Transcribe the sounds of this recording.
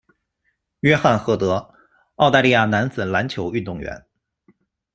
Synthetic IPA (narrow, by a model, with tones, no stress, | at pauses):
ɥɛ˥xa˥˩nxɤ˧˥˩t̪ɤ˧˥ | ɑ˥˧ʊt̪a˥˧li˥˧ja˥˩na˧˥nt͡sɹ̩˨˩la˧˥nt͡ɕʰjo˧˥ʊy˥˧nt̪ʊ˥˩ŋɥɛ̰˧˥n